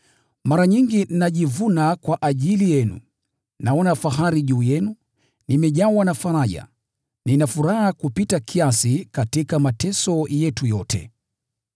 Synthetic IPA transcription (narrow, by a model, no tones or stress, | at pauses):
maɾaɲiŋɡin̩naʄivunakwaʔaʄilijɛnṵ | naɔnafaɦaɾiʄuːjɛnu | nimɛʄawanafaɾaʄa̰ | ninafuɾahakupitakʰiasikatikamatɛsɔjɛtujɔtɛ̰